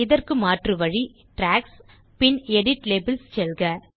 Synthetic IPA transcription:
ɪðɐrkɯmaːʈrɯʋɐɻi | ʈɾaːks | pɪnɛɽɪʈleːbɪlst͡ʃɛlɣɐ

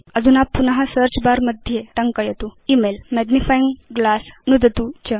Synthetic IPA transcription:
əd͡zʱunapːunaɦasəɾt͡ɕbaɾməd̪ʱjet̪əŋkəjet̪uimelmɛɡnifaiŋɡɡlasnud̪ət̪ut͡ɕə

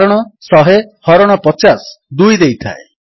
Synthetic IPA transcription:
ɾɔɽ̃ɔsɔɦehɔɾɔɽ̃ɔpɔt͡ʃasd̪ujd̪ejt̪ʰa̰e

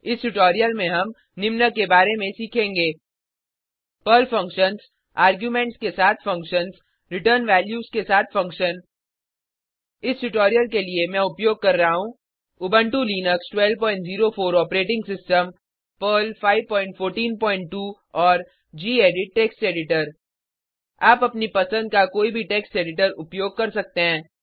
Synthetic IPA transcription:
ɪsʈʊʈɔːɾijəlmẽɦɐm | nɪmnəkebaːɾemẽsiːkʰẽːŋɡeː | pəːlfɐ̃ŋkʃənz | aːɾɡjuːmẽːɳʈskesaːt̪ʰfɐ̃ŋkʃənz | ɾɪʈəɾnʋɛːljuːzkesaːt̪ʰfɐ̃ŋkʃən | ɪsʈʊʈɔːɾijəlkeliemɛ̃ʊpjoːɡ̚kɐɾːɐɦaɦũ | ʊbə̃ɳʈuliːnəksʈwɛːlʋpɔ̃ːɪ̃ɳʈziːɾofoːɾɔːpɾeːʈɪ̃ŋɡsɪsʈəm | pəlfaːɪʋpɔ̃ːɪ̃ɳʈfʰoːɾʈiːnpɔ̃ːɪ̃ɳʈʈːuː | ɔːɾ | d͡ʒiːeːɖɪʈ̚ʈeːksʈeːɖɪʈəɾ | aːpɐpnipɐsə̃nd̪̚kakoːibʱiʈeːksʈeːɖɪʈəɾʊpjoːɡ̚kɐɾsɐk̚t̪eɦɛ̃ː

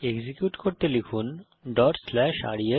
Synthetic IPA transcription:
eɡzikjuʈkoɾt̪elikʰun | ɖɔʈslɛʃa̰ɽie

